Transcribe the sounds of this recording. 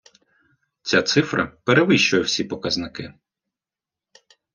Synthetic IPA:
t͡sʲat̪sɪfɾɐ̰peɾeʋɪʃt͡ʃʊjɛwsʲipɔkɐznɪkɪ

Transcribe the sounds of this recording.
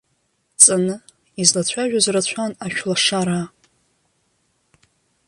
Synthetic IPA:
t͡sʼanɨ | izlat͡ɕʷʰaʒᶣazrat͡ɕʷʰanaʃᶣlaʂaɾa

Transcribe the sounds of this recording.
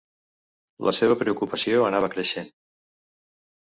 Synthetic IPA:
lʔə̰seβ̞əpɾeukupəsioənaβ̞əkɾəʃen

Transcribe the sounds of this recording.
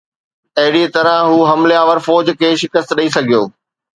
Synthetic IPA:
ɐɦɪɽit̪ɐɾə̃ɦɦuːɦɐmleaːʋəɾfɔːd͡ʑkʰeːʃɪkəst̪ɗɐisɐɡʱijoː

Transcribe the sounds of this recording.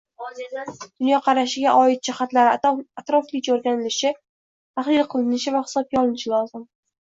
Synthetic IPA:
d̪̥ʊnjɒqʰɑɾaʃɪɡʲaʔɒɪt̪̚d͡ʒɪχat̪laɾɪat̪ɾɒflɪt͡ʃoɾɡʲanɪlɪʃɪ | t̪ʰaχlɪɾqʰɨlˠɪnɪʃɪvaχɪ̥sɒb̚ɡʲaɒlˠɪnɪʃɪlˠɒzɪm

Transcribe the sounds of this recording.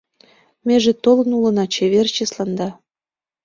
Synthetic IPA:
meʒĕt̪olɤ̆nulɤ̆nɑt͡ɕeβert͡ɕeslɑnd̪ɑ

